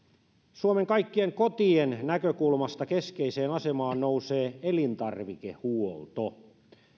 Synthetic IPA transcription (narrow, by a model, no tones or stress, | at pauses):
suomeŋkɑjkːie̞ŋko̞t̪iennækøkulmɑst̪ɑke̞skeiseːnɑse̞mɑːnnouseːelint̪ɑrʋikehuolt̪o